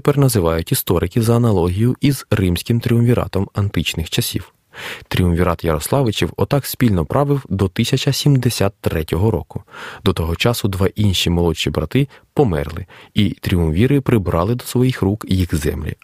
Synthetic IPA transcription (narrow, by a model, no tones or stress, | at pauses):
pɛrnɐzɪʋɑjʊtʲist̪ɔɾɪkɪzɐːnɐlˠɔɦʲijʊʔizrɪmsʲkʲɪmt̪ɾʲiʊmʋʲiɾɑ̰t̪ɔmɐnt̪ɪt͡ʃnɪxt͡ʃɐsʲḭw | t̪ɾʲiumʋʲiɾɑt̪jɐɾɔslˠɑʋɪt͡ʃʲiwɔt̪ɑksʲpʲilʲnɔpɾɑʋɪwd̪ɔt̪ɪsʲɐt͡ʃɐsʲimd̪esʲat̪ːɾɛtʲɔɦɔɾɔ̰kʊd̪ɔt̪ɔɦɔt͡ʃɑsʊd̪ʋɑʔinʲʃimɔlˠɔt͡ʃːibɾɐ̰t̪ɪpɔmɛ̰rlˠɪit̪ɾʲiumʋʲiɾɪpɾɪbɾɑlˠɪd̪ɔsʋɔjixrukjixzɛ̰mlʲḭ